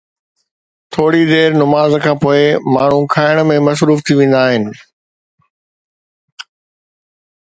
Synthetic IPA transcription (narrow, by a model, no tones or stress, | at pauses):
t̪ʰoːɽid̪eːɾnʊmaːzkʰãːpoːemaːɳ̤ũkʰaːɪɽ̃mẽmɐs̬ɾuːft̪ʰiʋẽːn̆d̪aːɦɪnɪ̆